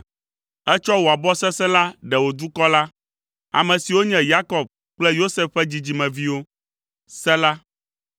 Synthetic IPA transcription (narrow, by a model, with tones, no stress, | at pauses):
ɛ˦t͡ʃɔ˦wo˨a˨bɔ˦sɛ˦sɛ̃˦la˦ɖɛ˨wo˨d̪u˦kɔ˦la˦ | a̰˨mɛ̃˨si˨wo˦ɲɛ̃˨ja˦kɔ˨b̚ | k͡plɛ˦jo˦sɛ˦fɛ˦d͡ʑi˨d͡ʑi˨mɛ̃˨vi˦wo˦ | sɛ̃˦la˦